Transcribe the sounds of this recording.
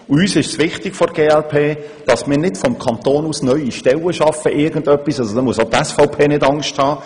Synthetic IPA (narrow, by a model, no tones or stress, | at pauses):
ʊyːsɪʃsʋɪχtɪɡ̥fɔɾɡ̥eːɛlpʰeː | d̥ɑsmɪːɾnɪtfɔmkʰɑnt̪oːnuːsnœʏiʃtɛləʃɑfəʔɪɡən̩dœpːisɑsod̥ɑmuəsot̪ɛsfɔʊpʰeːnɪdɑŋʃthɑː